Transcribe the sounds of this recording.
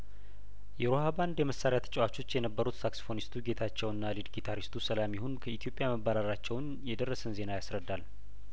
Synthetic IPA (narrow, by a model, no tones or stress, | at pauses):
jɛɾohaband̪jɛməsːaɾjat̪ʰə̥t͡ʃʼɛwat͡ʃːo̞t͡ʃːjɛnəbːəɾut̪sakso̥fo̞nist̪ʰuɡe̞t̪ʰat͡ʃːɛwɨnːalid̪ɡit̪ʰaɾist̪ʰusəlamjiɦonkʰəit̪ijo̞pʼjaməβːaɾaɾat͡ʃːɛwn | jɛd̪ərːəsənze̞najasɾəd̪ːal